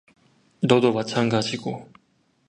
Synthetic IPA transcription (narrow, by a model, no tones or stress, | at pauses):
nʌdomat͡ɕʰanɡad͡ʑiɡo